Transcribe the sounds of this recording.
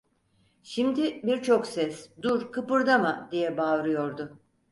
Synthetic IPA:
ʃimd̪ɪbiɾt͡ʃʰo̞ksɛsd̪uɾkʰɯpɯɾd̪amad̪ijɛbaːvɾɯjo̞ɾd̪ʊ

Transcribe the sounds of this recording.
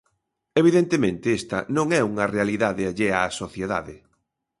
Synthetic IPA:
eβ̞iðent̪emẽnt̪ɪest̪ɐ̰nõŋɛuŋɐrealiðaðɪaʎeasoθjeða̰ðɪ

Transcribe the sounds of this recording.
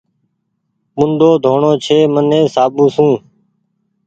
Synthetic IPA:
mʊnd̪oːd̪ʱoːɳoːt͡ʃʰeːmənẽːsaːbũːsũː

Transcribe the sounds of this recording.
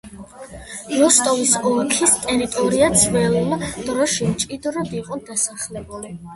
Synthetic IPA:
ɾɔst̪ʼɔvisɔkʰist̪ʼɛɾit̪ʼɔɾiad̪sʰvɛlˠmd̪̥ɾɔʃimt͡ʃʼid̪ɾɔd̪iqʼɔd̪asaχlɛbuli

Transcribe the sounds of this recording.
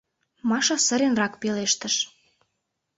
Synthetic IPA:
mɑʃɑsə̆ɾenrɑkpeleʃt̪əʃ

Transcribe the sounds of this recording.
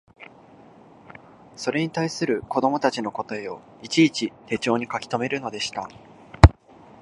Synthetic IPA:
so̞ɾe̞ɲ̟it̪aisɨɾɯ̟ko̞d̪o̞mo̞t̪at͡ɕino̞ko̞t̪oeo̞̰ | it͡ɕiːt͡ɕit̪e̞ːt͡ɕo̞ːɲ̟ikakʲi̥t̪o̞me̞ɾɯ̟no̞d̪e̞ɕi̥t̪a

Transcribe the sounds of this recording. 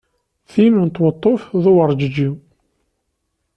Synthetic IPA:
θinunt̪ːwət̪ˤːofðuwəɾˤd͡ʒəd͡ʒi

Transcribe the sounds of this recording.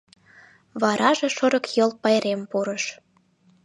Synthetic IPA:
βɑɾʔɑʒeʃŏɾə̆kjolˠpɑjɾempuɾəʃ

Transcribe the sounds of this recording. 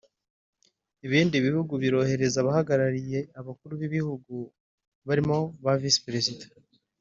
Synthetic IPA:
iβiːndiβihuɡuβiɾo̞he̞ɾe̞zaβahaɡaɾaɾije̞aβakuɾuβiβihuɡu | βaɾimo̞βavisi̥pɾe̞zidḁ

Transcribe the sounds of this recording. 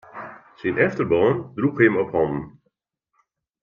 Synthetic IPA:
sinʔɛftərboːndruxhɪmɔphɔndn̩

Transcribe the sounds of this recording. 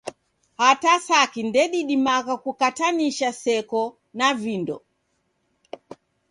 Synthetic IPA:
hatasakindɛɗiɗimakakukataniʃasɛkɔ | navindɔ̰

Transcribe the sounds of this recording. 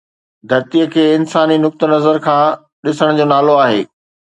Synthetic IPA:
d̪ʱɐɾt̪ijəkʰeːɪnsaːninʊk̚t̪ə̆nɐzəɾkʰãː | ɗɪsəɽ̃d͡ʑoːnaːloaːɦḛː

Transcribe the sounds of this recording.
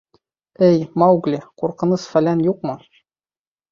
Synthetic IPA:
ɘjmɑɡlʲɘquɾqɤ̆nɤsfælænjuq̚mɤ̆

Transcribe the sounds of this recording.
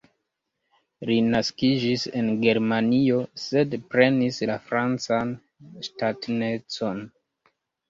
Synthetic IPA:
linaskid͡ʒise̞nɡe̞ɾmanio̞se̞dpɾe̞nislafɾant͡san | statne̞t͡so̞n

